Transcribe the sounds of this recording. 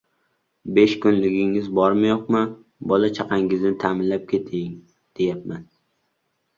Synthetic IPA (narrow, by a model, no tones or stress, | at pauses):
be̞ʃkʊnlɪɡʲɪŋɪzbɒɾmajoqmɪ | bɒlat͡ʃʰɑqʰɑŋɪznɪt̪ʰaːmɪnlap̚kʲʰe̞t̪ʰɪŋ | d̪̥e̞jap̚man